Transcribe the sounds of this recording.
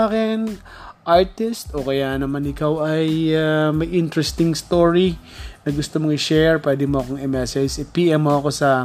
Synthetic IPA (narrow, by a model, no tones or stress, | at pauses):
akɪn | ʔaɹt̪ɪst̪ʔokɐjaʔnɐmanɪkawʔɐjamɐjʔɪnt̪ɾɛst̪ɪŋst̪oɹi | nɐɡʊst̪omoŋɪʃɛɹpwɛːd̪ɪmoɐko̞ŋɛmɛsɛd͡ʒɪpiːʔɛmːoɐko̞sɐ